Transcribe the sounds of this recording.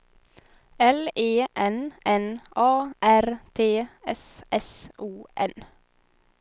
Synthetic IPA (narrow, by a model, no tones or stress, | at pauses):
ɛleːʔɛnʔɛnʔɑːʔæɾt̪ʰeːɛsʔɛsʔuːʔɛn